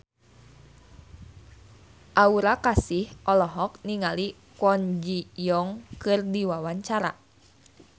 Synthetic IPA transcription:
ʔauɾakasihʔɔlɔɦɔk̚niŋali | kɔnd͡ʒijɔŋkɨrdiwawaɲt͡ʃaɾa

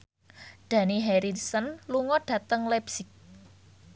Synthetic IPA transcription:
ɖ̥a̤niɦɛɾidsənluŋɔɖ̥ä̤t̪əŋlɛpsɪk̚

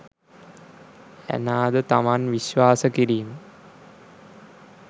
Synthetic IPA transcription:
æ̰naːd̪ət̪amanʋiɕʋaːsəkiɾiːmə

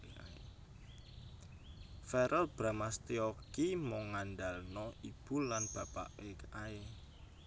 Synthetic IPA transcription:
fɛɾʔəlb̥ɾamast̪iokimoŋːanɖ̪alnɔib̥ṳlanb̥a̤pa̰ʔwekae

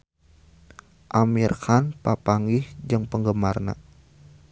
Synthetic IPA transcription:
ʔamirkanpapaŋɡihd͡ʒəŋpəŋɡəmarna̰

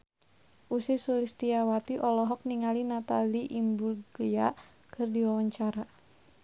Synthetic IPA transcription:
ʔusisulist̪iawat̪iʔɔlɔɦɔk̚niŋalinat̪aliʔimbuɡlia | kʰɨrdiwawaɲt͡ʃaɾa

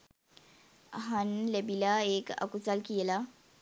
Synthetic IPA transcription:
ɦanlebilaeka̰kut͡salkiɛla

